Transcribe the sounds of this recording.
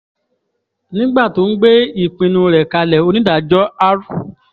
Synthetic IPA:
nĩ˦ɡ͡ba˦˨to˨˦n̩˦ɡ͡be˦i˦˨k͡pĩ˧nũ˧ɾɛ˨ka˧lɛ˨o˧nĩ˦da˦˨d͡ʒɔ˦a˦ɾu˦˨

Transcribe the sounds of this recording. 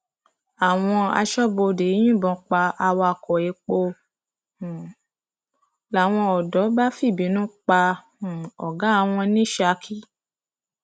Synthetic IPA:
a˨w̃ɔ̃˧a̰˧ʃɔ˦bo˧de˨˦j̃ĩ˦˨bɔ̃˧k͡pa˧a˧wɔ˧a˧˨kɔ˨e˨˧˦k͡po˧˨ | la˨w̃ɔ̃˧ɔ˨dɔ˨˦ba˦fi˦˨bi˨˦nũ˦k͡pã˧˨ | ɔ̰˨ɡa˨˦a˦˧˨w̃ɔ̃˧nĩ˦ʃa˧˦kʰi˦

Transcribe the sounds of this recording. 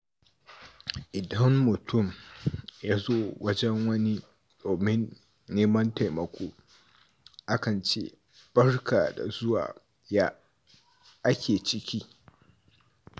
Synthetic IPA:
ʔɪ˨dɐ˦mːʊ˨tʰʊ˦˨m | jaː˦zoː˦wɐ˦d͡ʒɛ˦ŋwɐ˦ni˦ | doː˨mɪ˦nː | eː˦mɐ˦nta˨jmɐ˨kʷoː˦ | ʔa˦kɐ˨nt͡ʃḛː˦ | b̥ɐ˦rkaː˨da̰˨zʊ˦wa̰ː˨ | jaː˦ | ʔa˦kʲʰeː˨t͡ʃɪ˦kʲiː˦

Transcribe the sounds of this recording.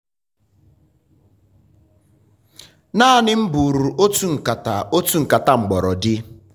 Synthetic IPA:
naː˦a˨nɪ˦m̩˦bu˨ɾu˨ʔo˦tu˦ŋ̩˨ka˨ta˨o˦tu˦ŋ̩˨ka˨ta˦ŋ͡m̩˨ɡ͡bɔ˨ɾɔ˨dɪ˦

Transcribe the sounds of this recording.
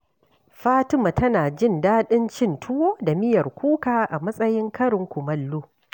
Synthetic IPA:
ɸaː˦tɪ˦ma˨tɐ˦naː˨d͡ʒɪ˦˨ndaː˦ɗɪ˦nt͡ʃɪ˦˨ntʰʊ˦woː˦da˨mɪ˦jɐ˨rkʷuː˦kaː˨ʔa˨mɐ˦sʼɐ˦jɪ˦ŋkɐ˦ɽɪ˨ŋkʷʊ˨mɐ˨lːuː˦

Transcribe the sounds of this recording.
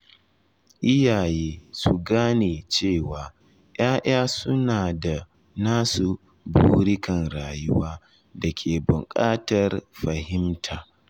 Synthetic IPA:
ʔɪ˦jaː˨jeː˦su˨ɡaː˦neː˨t͡ʃeː˦˨waː˨˦ | j̰aː˦ʔaː˦sʊ˦naː˨da˨ | naː˦su˨ | buː˦ɾɪ˦kɐ˨nɾaː˨jʊ˦waː˦ | dɐ˨kʲʰeː˨bʊ˨ŋkʼaː˦tɐ˨rɸɐ˨hɪ˦mtʰaː˨

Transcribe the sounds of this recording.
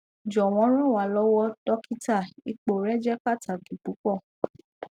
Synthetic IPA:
d͡ʒɔ˨w̃ɔ̃˧˦ɾ̃ɔ̃˦˨wa˨˦˨lɔ˦wɔ˦dɔ˦ki˦ta˦˨i˧k͡po˨ɾɛ˦d͡ʒɛ˦k͡pa˦˨tʰa˨ki˨pu˨˦kɔ˦˨

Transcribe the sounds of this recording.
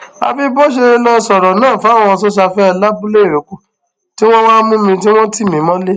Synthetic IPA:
a̰˧bi˦bo˦ʃ̬e˧lɔ˦sɔ˨ɾɔ˨nãː˦˨fa˨˦˨w̃ɔ̃˧ɔ˧sɔ˦ʃ̬a˧fɛ˦˧la˦bu˦le˦˨ɾe˨ku˨˦˨ | ti˦w̃ɔ̃˦wã˦mũ˦mĩ˧t̬i˦w̃ɔ̃˦ti˦˨mĩ˨˦mɔ̃˦le˦

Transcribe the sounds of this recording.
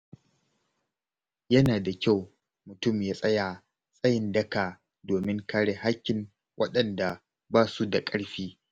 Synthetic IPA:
jɐ˦naː˨da˨kʲa˦˨w | mʊ˨tʊ˦mjaː˦sʼɐ˦jaː˨ | sʼɐ˦jɪ˨ndɐ˦kaː˨ | doː˨mɪ˦ŋka˦ɽeː˨ha˦kʲːɪ˨n | wʔɐ̰˦ɗɐ˨nda˨ | baː˦su˦da˨kʼɐ˦ɽɸiː˦

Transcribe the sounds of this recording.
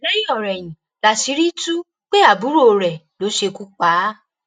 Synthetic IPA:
lɛ˦jĩ˦ɔ˨ɾɛ˨j̃ĩ˨ | la˨si˨˧˦ɾi˦tu˦ | k͡pe˦a˨bu˨˦ɾo˦˨ɾɛ˨ | lo˨˦ʃe˧ku˦k͡pa˨˦

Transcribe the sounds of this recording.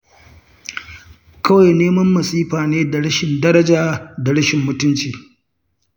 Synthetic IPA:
kɐ˦wa˨jneː˦mɐ˦mːɐ˨siː˦ɸaː˨neː˦da˨ɽɐ˦ʃɪ˨ndɐ˦ɾɐ˦d͡ʒaː˨da˨ɽɐ˦ʃɪ˨mːʊ˦tʊ˦nt͡ʃiː˨

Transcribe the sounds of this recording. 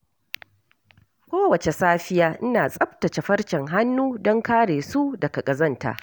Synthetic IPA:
kʷoː˦wɐ˨t͡ʃe˨saː˦ɸɪ˦jaː˦ʔɪ˦naː˨sʼɐ˦ɸtɐ˨t͡ʃe˨ɸɐ˦ɽt͡ʃɛ˨ŋɦa˦nːuː˦dɔ˦ŋkaː˦ɽeː˨su˦dɐ˨kɐ˨kʼɐ˨zɐ˦nta̰ː˨ʔ

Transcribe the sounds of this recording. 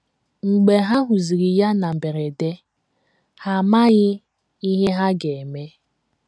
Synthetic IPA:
ŋ͡m̩˨ɡ͡be˨ɦa˦ɦu˨zi˨ɾi˨ja˦na˨m̩˨be˨ɾe˨de˦ | ha˨ma˦ɣɪ˦ | i˦ɦe˦ɦa˦ɡe˨e˨me˦

